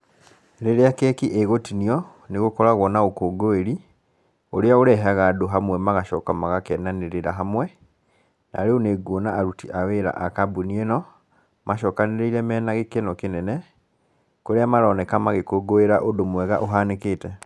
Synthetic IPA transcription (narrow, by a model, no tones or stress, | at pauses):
ɾeɾeakɛkiʔeɣotiniɔ | neɣokɔɾaɣwɔnaɣokoɡoeɾi | oɾeaoɾɛɦaɣadoɦamwɛmaɣaʃɔkamaɣakɛnaneɾeɾaɦamwɛ | na̰ɾeoneɡwonaːɾutiʔaweɾa̰ʔakabunienɔ | maʃɔːkaneɾeiɾɛmɛːnaɣekenɔkenɛnɛ | koɾeamaɾɔnɛkamaɣekoɡoeɾaʔodomwɛɣa̰ʔoɦanekeːtɛ